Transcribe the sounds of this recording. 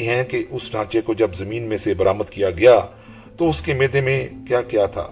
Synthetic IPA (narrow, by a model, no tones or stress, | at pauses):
ɦɛ̃keʔʊsɖʱãːt͡ʃekod͡ʒɐbzɐmiːnmẽsebɐɾaːməd̪kijaɡɐjaː | t̪oʊskemeːd̪emẽkjaːkjaːt̪ʰa̰ː